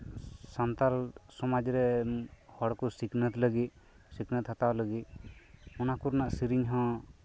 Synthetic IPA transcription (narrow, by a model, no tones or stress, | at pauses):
sant̪alsɔmad͡ʒɾɛhɔɽkɔsiknət̪ləɡit̪̚ | siknət̪ʰːat̪awləɡit̪̚ɔnakuɾnaʔsiɾiɲɦɔ̃